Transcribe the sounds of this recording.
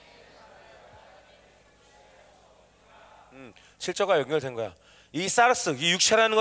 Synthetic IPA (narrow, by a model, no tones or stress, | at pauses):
m | t͡ɕʰiɭt͡ɕ͈ʌɡajʌŋjʌɭdenŋɡʌja̰ | is͈aɾɯs͈ɯijuk̚t͡ɕʰeɾanɯnŋɡʌ